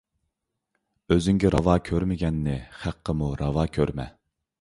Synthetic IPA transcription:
øzyŋɡʲiɾʔɑvɑːkʲʰøɾmɪɡʲɛnːɪχæqʰːəmuɾʔɑvɑːkʲʰøɾmɛ̰

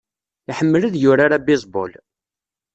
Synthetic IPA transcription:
ɪħəmːələðjʊɾaɾabizbo̰l

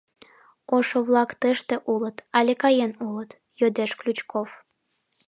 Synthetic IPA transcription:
oʃoβlˠɑkt̪eʃt̪ĕʔulə̆t̪ɑlʲekɑjenulˠə̆t̪ | jød̪eʃklʲut͡ɕkʰof

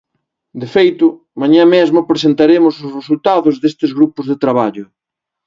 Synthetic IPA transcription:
d̪efejt̪ʊ | maɲãmezmʊpɾes̬ent̪aɾemʊsʊsresult̪aðʊzðest̪ɪzɣɾupʊzðet̪ɾaβ̞aʎʊ

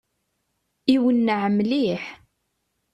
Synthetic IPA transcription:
iwənːəʕəmːliħ

